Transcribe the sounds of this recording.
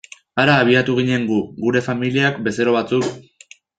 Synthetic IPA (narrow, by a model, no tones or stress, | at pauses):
aɾaːβ̞iat̪uɣ̞iɲe̞ŋɡuɣuɾe̞familiakbe̞se̞ɾo̞βat͡suk